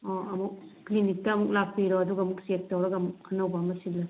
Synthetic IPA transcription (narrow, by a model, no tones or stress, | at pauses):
ɔɐmuk̚ːlinik̚tɐːmuk̚lapʰːiɾɔɐduɡamuk̚sek̚tawɾɐɡamuk̚ɐnawbamɐsilːɐ